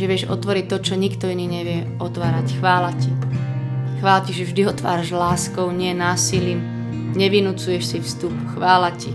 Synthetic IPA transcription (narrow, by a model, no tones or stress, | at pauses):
ʒɛʋɪɛʒɔ̰t̪ʋɔɾict̪ɔt͡ʃɔɲikt̪ɔiniːɲɛʋɪɛ | ɔt̪ʋaːɾacxʋaːlaci | xʋaːlaciʒɛvʒd̪iɔt̪ʋa̰ːɾaʒlaːskɔʊɲɪɛnaːsiliːm | ɲɛʋinut͡sujɛʃsifst̪upxʋaːlaci